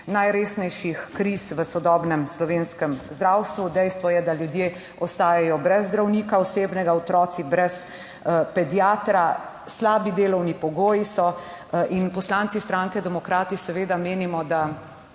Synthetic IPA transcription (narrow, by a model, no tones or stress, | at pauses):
najɾeːsnɛjʃixkɾisʋəsɔd̪ɔːbnɛmslɔʋeːnskɛmzd̪ɾawst̪ʋud̪ɛjst̪ʋɔjɛd̪aljud̪jeː | ɔst̪aːjajɔbɾɛzːd̪ɾawnikaɔseːbnɛɡaɔt̪ɾɔːt̪sibɾɛs | pɛd̪ijaːt̪ɾa | slaːbid̪eːlɔwnipɔɡoːjisɔ | ʔinpɔslant̪sist̪ɾaŋkɛd̪ɛmɔkɾaːt̪isɛʋeːd̪ameːnimɔd̪a